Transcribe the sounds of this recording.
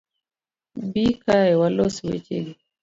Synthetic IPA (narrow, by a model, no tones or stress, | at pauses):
bikaɛwalɔsiwḛt͡ʃeɡi